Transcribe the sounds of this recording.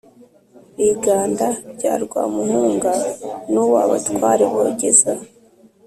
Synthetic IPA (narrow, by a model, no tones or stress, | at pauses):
βiɡaːndaɟa̰ːɾɡwa̰ːmuhuːŋɡanuwaːβa̰tkwaːɾeβoɟeza